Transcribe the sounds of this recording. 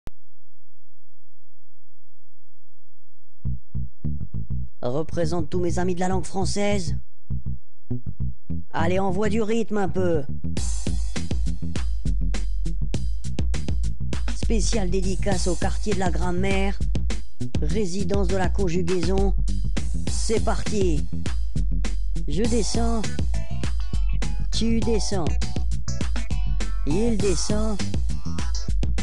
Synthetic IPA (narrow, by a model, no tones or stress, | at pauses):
ʁəpχezɑ̃t̪ːumezamid̪əlalɑ̃ɡfχɑ̃sɛz | a̰leɑ̃vwad̪yʁit̪mɛ̃pø | spesjald̪ed̪ikasokaʁt̪jed̪əlaɡʁɑ̃mɛʁ | ʁezid̪ɑ̃sd̪əlakɔ̃ʒyɡʲezɔ̃ | sɛpaʁt̪i | ʒəd̪esɑ̃ | t̪yd̪esɑ̃ | eild̪esɑ̃